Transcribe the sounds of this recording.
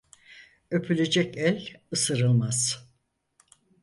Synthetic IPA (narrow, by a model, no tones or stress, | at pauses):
ø̞pʰylʲed͡ʒɛcælʲɯsɯɾɯlˠmaz̥